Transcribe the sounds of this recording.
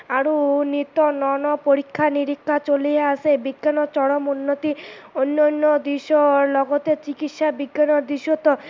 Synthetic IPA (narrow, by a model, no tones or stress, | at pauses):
aɾunit̪ɔnɔnɔpoɾikʰːaniɾikʰːat͡ʃolieasebiɡːanɔt͡ʃɔɽɔmunːot̪ionːɔnːɔd̪iʃɔlɔɡɔt̪et͡ʃikit̪ʃabiɡːanɔɾd̪iʃot̪ɔ